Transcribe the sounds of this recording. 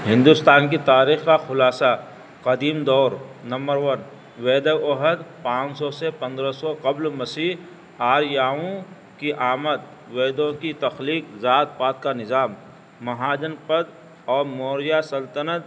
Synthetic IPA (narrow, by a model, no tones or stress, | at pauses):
ɦɪ̃nd̪ʊst̪aːnkit̪aːɾiːxkaxʊlaːsa | qɐd̪iːmd̪ɔːɾnɐ̃mbəɾʋən | ʋeːd̪əɔɦəd̪pãːt͡ʃsɔsepɐ̃nd̪ɾəsɔqɐblmɐsiːɦ | aːɾjaːõ | kiʔaːmət̪̚ | ʋeːd̪õkit̪ɐxliːkzaːt̪̚paːt̪̚kanɪzaːmː | ɐɦaːd͡ʒənpəd̪̚ | ɔːɾmoːɾjasɐlt̪ənət̪̚